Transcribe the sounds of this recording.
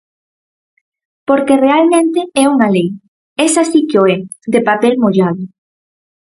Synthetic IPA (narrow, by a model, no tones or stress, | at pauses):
poɾkerealmẽnt̪eɛuŋalej | ɛsasikeoɛd̪epapɛlmoʎaðʊ